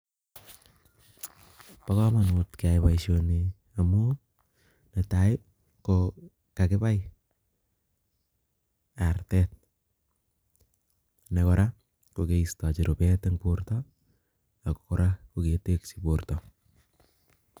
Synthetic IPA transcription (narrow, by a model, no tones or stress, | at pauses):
pakɔmanutkaɪpajʃoni | amu | netaɪp̚ | ko | kakɪpaj | artɛt̚ | nekɔɾa | kokeistat͡ʃiɾopɛteŋportɔ | ako̥kɔɾakoketeksiportɔ